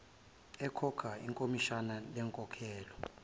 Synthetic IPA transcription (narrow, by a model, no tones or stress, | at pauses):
ɛkʰɔkʰaḭŋkʼomiʃanalɛŋkʼɔkʰɛːlɔ